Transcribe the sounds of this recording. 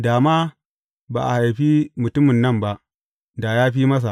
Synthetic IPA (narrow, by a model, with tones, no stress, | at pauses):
daː˨maː˦ | ba̰ː˨ʔa̰˨ha˨jɸiː˦mʊ˨tʊ˦mɪ˨nːɐ˦˨mba˦ʔ | da˨jaː˦ɸiː˦mɐ˦s̬a˨